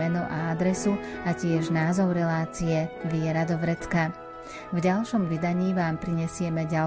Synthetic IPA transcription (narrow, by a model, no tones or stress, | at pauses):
ɛnɔʔaad̪ɾɛsuacɪɛʒnaːzɔʊɾɛlaːt͡siɛʋɪɛɾad̪ɔʋɾɛt̪ka | vɟalʃɔmʋid̪aɲiːʋaːmpɾiɲɛsɪɛmɛɟa